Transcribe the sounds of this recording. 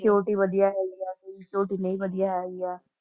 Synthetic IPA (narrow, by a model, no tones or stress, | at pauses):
koːʈiʋəd̪ijaɦɛːɡijaːkʊkoːʈinɐ̃ĩʋəd̪ijaɦɛːɡijaː